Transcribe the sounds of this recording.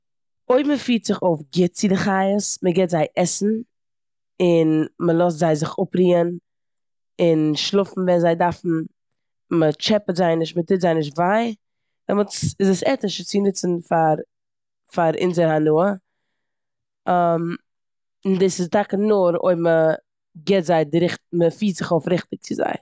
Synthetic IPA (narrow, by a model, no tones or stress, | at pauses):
oɪbməfiːtz̥ɪχoʊfɡɪt̚t͡sɪdɪχaɪəsməɡɛtzaɪʔɛsn̩ | ɪnməlˠɔs̬tzaɪzɪχʊpɾiːən | ɪnʃlˠʊfn̩vɛnzaɪdaɾfn̩ | mət͡ʃɛpətzaɪnɪʃtmətɪtzaɪnɪʃ̬tvaɪ | dɛmʊt͡sɪzəsɛtɪʃət͡sɪnɪt͡sn̩faɾ | faɾɪ̰nzəɾhanuə | əm | ndɪsɪsdakənʊɾo̰ɪbmə | ɡɛtzaɪdɪɾɪχtməfiːtz̥ɪχoʊfɾɪχtɪk̚t͡sɪza̰ɪ